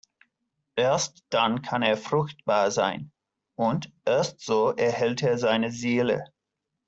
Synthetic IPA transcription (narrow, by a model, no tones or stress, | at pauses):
ʔeːɐstd̥ankʰaneːɐfʁʊxt̚b̥aːɐza̰ɪn | ʔʊndʔeːɐstz̥oːʔɛɐhɛlteːɐzaɪnəzeːlə̰